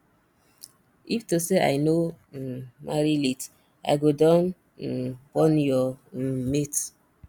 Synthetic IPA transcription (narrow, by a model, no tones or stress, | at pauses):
iftoseʔa̰jno | mʔaɾilit | a̰ɪɡodɔn̩ | bɔnjɔm̩met